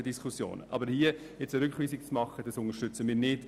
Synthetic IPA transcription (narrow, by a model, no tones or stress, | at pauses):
ədiskʰusjo̰ːnə̰ʔɑ̰bəɾhiə | ɛt͡səɾʏkχʋiːsik̚t͡smɑχːəd̥ɑsʊŋəʃtʏt͡səmɪːɾnɪd̥